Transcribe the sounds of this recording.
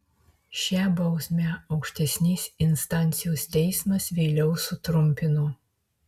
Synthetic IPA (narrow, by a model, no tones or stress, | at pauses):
ʃʲɛːbɐʊsʲmʲɛɒʊkʃʲt̪ʲɛsʲnʲeːsʲɪnst̪ɑˑnʲt̪sʲɪjoːst̪ʲɛɪsmɐsʋʲɛɪlʲɛʊsʊt̪ɾʊmʲpʲɪnuː